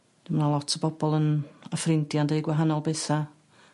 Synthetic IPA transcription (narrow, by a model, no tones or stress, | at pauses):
d̥ɪmnalˠɔtʰəbɔbɔlˠənəfrɪndjandeɡwaɦanɔlˠbɛθa